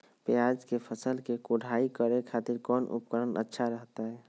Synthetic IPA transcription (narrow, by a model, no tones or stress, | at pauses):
peaːd͡ʒkepʰəsəlkekoɽʱaːikəɾekʰaːt̪ɪɾkɔːnʔʊ̰pkəɾənʔə̰tːʃʰaɾəɦt̪aɦɛː